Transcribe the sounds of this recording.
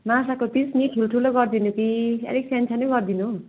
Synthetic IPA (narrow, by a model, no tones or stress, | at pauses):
masakot̪isniʈʰulʈʰuloɡʌrd̪inukiḛɾik̚sʰent͡sʰaneɡʌrd̪inu